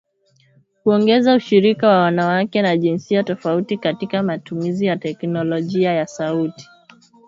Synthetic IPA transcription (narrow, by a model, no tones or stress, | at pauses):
huɔŋɡɛzauʃiɾikawawanawakɛnaʄinsiatɔfautikatikamatumizijatɛknɔlɔʄiajasauti̥